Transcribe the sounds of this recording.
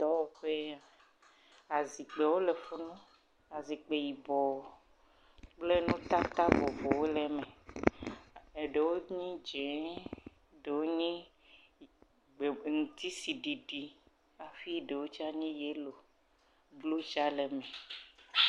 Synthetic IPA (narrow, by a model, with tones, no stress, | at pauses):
t̪ɔ˦wo˨ɸe˦a˨ | a˨zi˨k͡pe˨wo˦le˨fo˦nũ˦ | a˨zi˨k͡pe˨ji˨bɔ˨ | k͡ple˦nũ˦t̪a˦t̪a˦bo˨vo˨wo˦lɛ˦mẽ˨ | e˨ɖe˨wo˦ɲĩ˦d͡ʒẽ˨˦ | ɖe˨wo˦ɲĩ˦ | ɡ͡be˨ŋũ˨t̪i˦si˨ɖi˨ɖi˨ | a˨fi˦ɖe˨wo˦t͡ʃi˦a˦ɲĩ˦je˦lo˨ | blu˦t͡ʃa˦le˨mɛ̃˨